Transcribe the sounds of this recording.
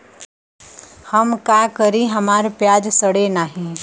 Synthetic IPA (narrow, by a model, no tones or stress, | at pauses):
həmkaːkəɾiɦɐmaːɾpjaːd͡ʒsəɽenaːɦĩ